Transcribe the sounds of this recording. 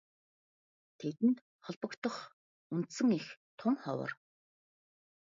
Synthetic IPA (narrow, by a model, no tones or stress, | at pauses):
t̪ʰet̪ɘ̆nt̪ | χɔɮpɞ̆kt̪ə̆χ | unt̪sə̆ŋixt̪ʰʊŋχɔ̰wə̰̆r